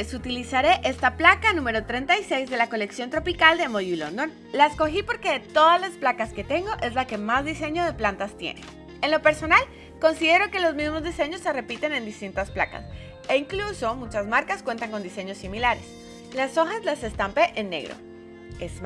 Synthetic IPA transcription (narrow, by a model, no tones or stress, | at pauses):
esut̪ilisaɾe̞ʔe̞st̪aplakanũme̞ɾo̞t̪ɾe̞nt̪ajse̞jzðe̞lako̞le̞ksjont̪ɾo̞pikald̪e̞moʝulo̰nd̪o̞n | laesko̞xipo̞ɾke̞ðe̞t̪o̞ðazlasplakaske̞t̪e̞ŋɡo̞ʔe̞zlake̞mazðise̞ɲo̞ð̞e̞plant̪ast̪jḛne | enlo̞pe̞ɾso̞nal | ko̞nsiðe̞ɾo̞ke̞lo̞zmizmo̞zðise̞ɲo̞sːe̞re̞pit̪e̞ne̞nd̪ist̪int̪aspla̰ka̰s | eiŋkluso̞mut͡ʃazmaɾkaskwe̞nt̪aŋko̞nd̪ise̞ɲo̞similaɾes | laso̞xazlase̞st̪ampe̞ʔenːe̞̰ɣɾo̰ | ez